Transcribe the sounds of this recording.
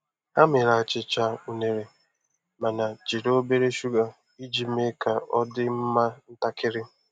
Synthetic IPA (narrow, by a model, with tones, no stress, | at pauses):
a˦mɪ˨ɾa˨t͡ʃɪ˨t͡ʃa˦u˨ne˨ɾe˨ | ma˨na˨t͡ʃi˨ɾo˦be˦ɾe˦ʃu˦ɡa˨ | i˦d͡ʒi˨me˦ka˨ɔ˦dɪ˦m̩˦ma˦n̩˦ta˦kɪ˦ɾɪ˦